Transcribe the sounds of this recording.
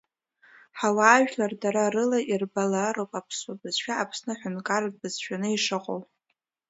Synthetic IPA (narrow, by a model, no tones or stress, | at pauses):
ħawaːʒᶣlardaɾarɨlairbalaɾowpʼapʰswabɨz̥ʃᶣaapʰsnɨħʷᶣʊnkʼard̚bɨzʃᶣanɨiʂɨqʼo̰wʼ